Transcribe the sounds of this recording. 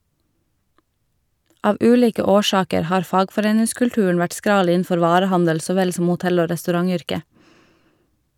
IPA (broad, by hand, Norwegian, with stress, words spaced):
ˈɑːʋ ˈʉːˌliːkə ˈoːˌʃɑːkəɾ ˈhɑːɾ ˈfɑːɡfɔˌɾeːnɪskʉɽˌʈʉːɳ̩ ˈʋæʈ ˈskɾɑːl ˈiːn̩ˌfɔɾ ˈʋɑːɾəˌhɑndəl ˈsoː ˈʋɛl ˈsɔm ʊˈtɛl ˈoː ɾɛstʉˈɾɑŋˌʏɾkə